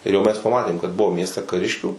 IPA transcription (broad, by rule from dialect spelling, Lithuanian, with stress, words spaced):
ɪr jɛʊ mʲɛs pɐˈmɑːtʲeːm kɐt ˈbʊʋoː ˈmʲiɛsʲtʲɛ kɐˈrʲɪʃʲkʲuː